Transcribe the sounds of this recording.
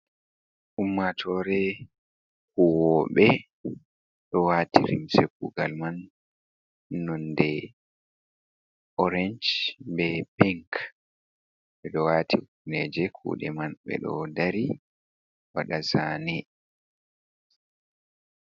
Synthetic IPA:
ʔumːatʰɔɾɛ | kuwɔɓɛ | ɗɔwaːtiɾḭmsekuɡalman | ɔndɛ | ɔɾɛnd͡ʒbɛpɛŋk | ɓɛɗɔwatʰiunɛd͡ʒɛkʰṵːɗɛ̰manɓɛ̰ɗɔ̰daɾi | wa̰ɗazaːnɛ

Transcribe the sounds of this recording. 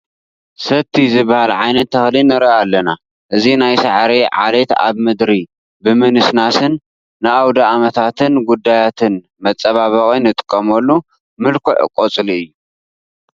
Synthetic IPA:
sɐt̪ʰizɨbːahalʕajnɐt̪ʰːɐxlinɨɾɐalːɐna | ʔɨzinajsaʕɾeʕalet̪a̰βmɨd̪ɾi | bɨmɨnɨsnasɨnː | ɨʔawd̪aamɐt̪ʰat̪ʰɨnɡud̪ːajat̪ʰɨn | mɐt͡sʼɐβaβɐkʼinɨt̪ʼɨ̥kʼːɐmɐlːu | mɨlkʰoʕɨ̰kʼot͡sʼɨliɨjːu

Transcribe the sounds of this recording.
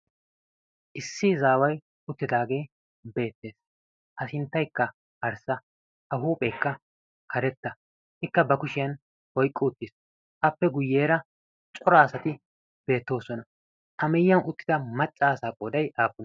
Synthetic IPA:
ʔɪsːɪzaːwɐj | ʊt̪ːɪd̪aːɡe̞ː | be̞ːt̪ːe̞ːs | ʔɐsɪnt̪ːɐjkːɐ | ɐɾsɐ | ʔɐɦuːpʼekːɐ | kʰɐɾɛt̪ːɐ | ɪkːɐbɐkʊʃɪjɐn | wɔjkʼːɪʊt̪ːɪs | ʔɐpːɛɡʊjːe̞ːɾɐ | t͡ʃʼɔɾasɐt̪ɪ | b̥e̞ːt̪ːo̞ːsɔnɐ | ʔɐmɛjːɐnʊt̪ːɪ̥d̪ɐmɐt͡ʃʼːaːsaːpʼːoːd̪ɐjaːpʼːʊn

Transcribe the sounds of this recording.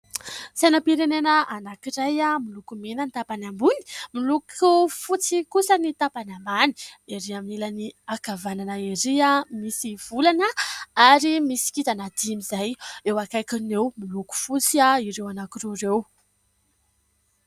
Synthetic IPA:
sanapiɾenenəʔanakiɾajamilukumenənit̪apanambuni̥milukufut͡sikusənit̪apanambani̥eɾiaminilaniakavananəiɾiamisiv̥ulanəaɾimisi̥kit̪anad̪̥imizajewakajkunewmiluku̥fut͡siaiɾewanakirerew

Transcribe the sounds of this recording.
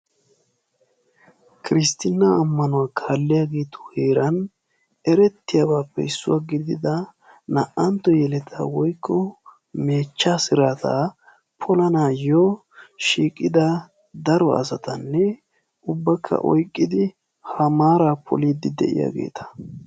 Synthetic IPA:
kɪɾɪst̪ɪnːaːmːɐnʊwaːkʰaːlːɪjaːɡe̞ːt̪ʰɔ̥heːɾɐn | ɛɾɛt̪ːɪjabaːpːɛ̰ɪsːʊwaːɡɪd̪ɪd̪ɐ | nɐʔɐnt̪ːɔjɛlɛt̪ʰa̰wɔjkʰːɔ | meːt͡ʃːaːsɪɾaːt̪a̰ | pʰɔlɐnaːjɔ | ʃiːkʼːɪd̪ɐ | d̪ɐɾɔɐ̰sɐt̪ɐnːɛ | ʊbːɐkʰːɐ̰ʔɔjkʼːɪd̪ɪ | hɐmaːɾaːpʰɔ̰liːd̪ɪd̪ɛ̰ʔɪ̰ja̰ːɡe̞̰ːt̪ʰɐ̥

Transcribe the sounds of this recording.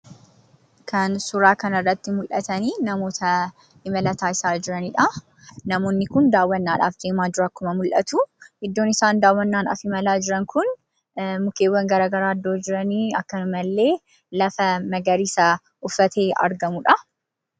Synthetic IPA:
kʰɐnsʊɾaːkɐnɐrːɐt̪ːɪmʊlʔɐt̪ɐniːnɐmo̞ːt̪ʰɐ | ɪmɐlɐt̪aːɪsaːd͡ʒɪɾɐniᶑɐ | nɐmo̞ːnːɪkʊnd̪aːwːɐnːaːᶑa̰ːfd̪eːmaːd̪ʊɾaːkːʊmɐmʊlʔɐ̰t̪uʔɪd̪ːoːnɪsaːnd̪aːwːɐnːaːnɐ̰fɪmɐlaːd͡ʒɪɾɐŋkʊn | mʊkeːwːɐŋɡɐɾaːɡɐɾaːɐd̪ːoːd͡ʒɪɾɐniːɐkːɐʊmɐlːe̞ː | lɐfɐmɐɡɐɾiːsɐ | ʔʊfːɐt̪e̞ːɐ̰ɾɡɐmuᶑɐ

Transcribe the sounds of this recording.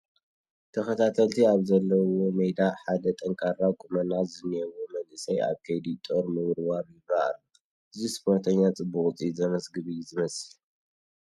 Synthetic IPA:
t̪ʰɐxɐt̪ʰat̪ʰɐlt̪ʰiaβzɐlːɐwomɐjd̪aħad̪ɐt̪ʼɐŋkʼʰaɾakʼumɐnazɨniɛwomɐlʔɨsɐja̰βkʰejd̪it̪ʼoɾmɨwɾwaɾjɪβːaʔa̰lːu | ʔɨzispʰoɾt̪ʰɐɲːat͡sʼɨbuχʼt͡sʼizɐmɐsɡɨβizɨmɐsɨl

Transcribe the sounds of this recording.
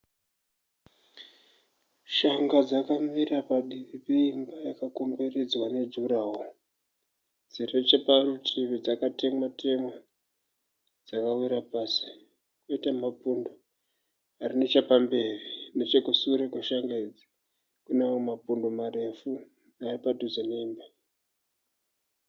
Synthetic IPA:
ʃaŋɡad͡zakamirapaɗiʋipe̞imbajakako̞mbered͡zwane̞d͡zuɾaːɦo | d͡ziret͡ʃeparutʰiβid͡zakate̞ŋwatʰe̞ma | d͡zakawiɾapaːsi̥ | koitamapundo | arinet͡ʃapambe̞rine̞t͡ʃekusuuɾekuʃaŋɡaid͡zi̥ | kuneomapundomare̞fu | naepatud͡zeneiːmba

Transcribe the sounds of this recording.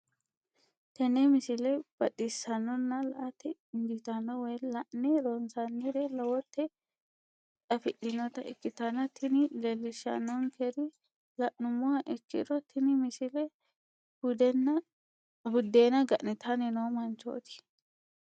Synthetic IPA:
t̪ɛnɛmɪsɪlɛb̥ɐɗisɐnːɔnːɐlɐ̰ʔɐt̪ɛnd͡ʒɪt̪ɐnːɔwɛjlɐʔnɛɾɔnsɐnːɪd̪ɛlɐwɔt̪ːɛ | ᶑɐfɪɗɪnɔt̪ɐɪkːɪt̪ɐnɐt̪ɪnɪlelːɪʃːɐ̰nːɔŋkɛɾɪ | lɐʔnʊmːʊɐʔɛkːɪ̰ɾɔt̪ːɪnɪmɪsɪlɛ | b̥ʊd̪ɛnːɐ | bʊd̪ːeːnɐɡɐʔnɛt̪ʰɐnɪnomɐnt͡ʃo̰ːt̪ɪ̥

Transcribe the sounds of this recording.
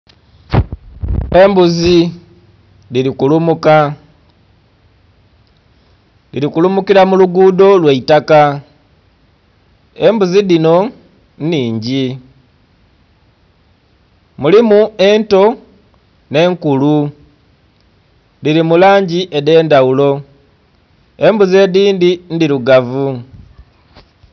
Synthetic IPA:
e̞mbuzi | liɾikulumuka | liɾikulumukiɾamuluɡuːdo̞lweitaka | e̞mbuziðino̞ | nniːɲɟi | mulimue̞nto̞ | ne̞ːŋkulu | liɾimulaːɲɟiʔede̞ːndaulo̞ | e̞mbuze̞diːndindiɾuɡavu

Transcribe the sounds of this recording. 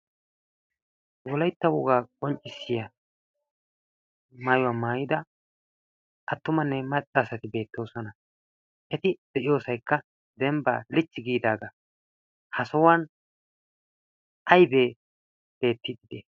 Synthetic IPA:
wɔlɐjt̪ːɐwɔɡaːkʼɔnt͡ʃʼːɪsːɪjɐ | mɐjwɐmaːjɪd̪ɐ | ʔɐt̪ːʊmɐnːɛmɐt͡ʃʼːaːsɐt̪ɪbe̞ːt̪ːo̞ːsɔnɐ | ʔɛt̪ɪd̪̥ɛʔɪjo̞ːsɐjkːɐ | d̪ɛmba̰ːlɪt͡ʃːɪɡiːd̪aːɡɐ | hɐsɔwɐn | ɐjbe̞ː | b̥e̞ːt̪ːɪd̪ɪd̪̥eː

